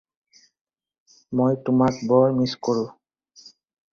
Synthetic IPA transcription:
mojtʊmakbɔɹmiskoɹʊ̃

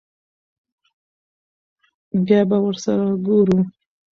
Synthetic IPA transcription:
ɡabawəɾsaɾaɡoɾu

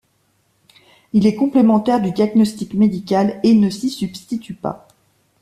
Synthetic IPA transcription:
ilɛkɔ̃plemɑ̃t̪ɛʁd̪yd̪jaɡnɔst̪ikmed̪ikʲalenəsisybst̪it̪ypa̰

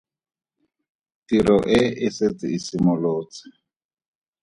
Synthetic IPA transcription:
tiɾɔʔeɪset͡siisimʊloːt͡si̥

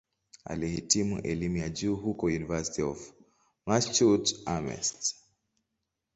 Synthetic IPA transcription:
a̰lihitimṵʔɛlimujad͡ʒuːɦukɔjunivasi̥tiɔf | mast͡ʃutamɛ̰st

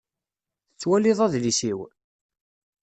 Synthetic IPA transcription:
θət͡sːwæliðˤæðlisiw

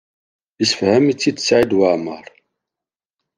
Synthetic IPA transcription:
isfhæmit͡sːit̪ːsʕid̪waʕməɾˤ

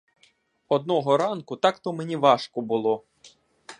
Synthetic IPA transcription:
ɔd̪nɔɦɔɾɑnkʊt̪ɑkt̪ɔmenʲiʋɑʃkɔbʊlˠɔ

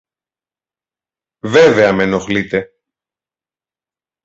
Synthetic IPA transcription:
veve̞ɐme̞no̞xlit̪e̞

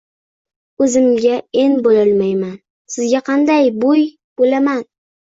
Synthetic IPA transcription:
ɵzɪmɡʲaenbolɪlmajman | sɪzɡʲaqʰɑnd̪ajboj | b̥olaman

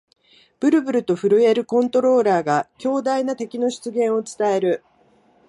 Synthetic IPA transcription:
b̥ɯ̟ɾɯ̟bɯ̟ɾɯ̟t̪o̞ɸɯ̟ɾɯ̟e̞ɾɯ̟kõ̞nt̪o̞ɾo̞ːɾaːɡakʲo̞ːd̪ainat̪e̞kʲino̞ɕi̥t͡sɨɡẽ̞ɰ̃o̞t͡sɨ̥t̪ae̞ɾɯ̟

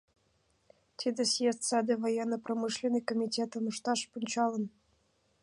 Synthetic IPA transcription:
t̪ʲid̪ʲesjest̪ʲsɑd̪ʲevojenːəpromɨʃlʲenəjkomʲitʲet̪ə̆nuʃt̪ɑʃpunʲt͡ɕɑlə̆n

